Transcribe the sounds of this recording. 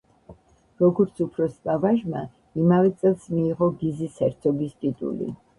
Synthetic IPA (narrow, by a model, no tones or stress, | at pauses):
ɾɔɡɔɾt̪sʰupʰɾɔspʼavaʒma | imavɛt̪sʼɛlˠsmiːʁɔɡizisɛɾt̪sʰɔbist̪ʼit̪ʼṵlḭ